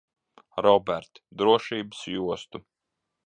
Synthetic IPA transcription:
ɾɔbɛɾt̪d̪ɾuɔʃiːbəsjuɔst̪u

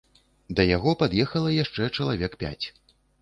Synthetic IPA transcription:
d̪ɐjaɣɔpad̪jɛxɐlˠɐjaʂt͡ʂɛt͡ʂɐlˠavʲɛkpʲa̰t͡sʲ

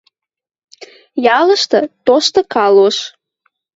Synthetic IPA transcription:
jɑləʃt̪ɤ̆t̪oʃt̪ɤ̆kɑloʃ

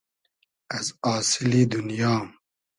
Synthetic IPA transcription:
ɐzɑːsɪlid̪unjɑːm

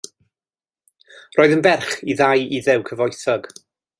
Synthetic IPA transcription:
roːɨðənbɛrχiðajiðɛwkʰəvɔjθɔɡ̥

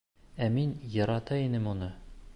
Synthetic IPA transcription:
æminjɤ̆ɾɑt̪ɑinɘmunɤ

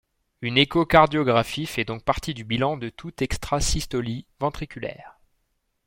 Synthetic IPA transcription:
ynekokaʁd̪jɔɡʁafifɛd̪ɔ̃k̚paʁt̪id̪ybilɑ̃d̪ət̪ʰut̪ɛkst̪χasist̪ɔlivɑ̃t̪χikʲylɛ̰ːʁ

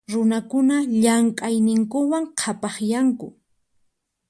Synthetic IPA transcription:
ɾʊnakʊnaʎamkʼajnɪŋkʊwaŋqʰapɑχjaŋkʊ

